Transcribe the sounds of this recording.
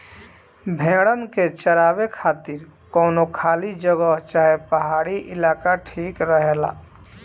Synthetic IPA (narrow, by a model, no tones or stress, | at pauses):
bʱẽɽəmket͡ʃəɾaːbekʰaːt̪iɾkɔːnokʰaːlid͡ʒəɡəɦt͡ʃaːɦepəɦaːɽiʔɪlaːkaʈʰiːkɾəɦela̰